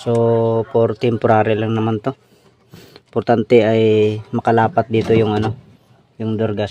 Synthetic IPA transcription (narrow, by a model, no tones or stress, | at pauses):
sopoɾt̪ɛmpʊɾaːɾɛlaŋnɐmant̪o̞ | poɾt̪ant̪ɛɐjmɐkɐlaːpɐt̪̚d̪iːt̪ojʊŋɐno̞ | jʊŋd̪oɾɡas